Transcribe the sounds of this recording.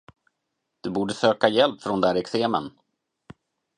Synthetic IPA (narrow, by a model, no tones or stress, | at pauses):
d̪̥ɵbuːɖəsøːkajɛlpfɾɔnd̪æɾɛkseːmə̰n